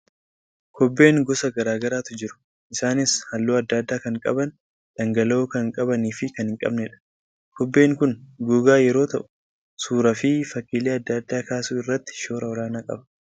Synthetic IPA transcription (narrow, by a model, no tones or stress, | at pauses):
kɔbːe̞ːŋɡɔsɐɡɐɾaːɡɐɾaːt̪ʊd͡ʒɪɾʊ̥ | ʔɪsaːnɪshɐlːoːɐd̪ːɐd̪ːaːkɐŋkʼɐ̰bɐn | d̪̥ɐŋɡɐlo̞ːkɐŋkʼɐbɐniːfɪkɐnhɪŋkʼɐ̰bnɛᶑɐ̥ | kʰɔbːe̞ːŋkʊnɡuːɡaːjɛɾo̞ːt̪ɐʔʊ̥ | suːɾɐfɪfɐkːiːleːɐd̪ːɐd̪ːaːkaːsuːɪrːɐt̪ːɪ̥ʃo̞ːɾʔɐɔɾaːnaːkʼɐ̰bɐ̥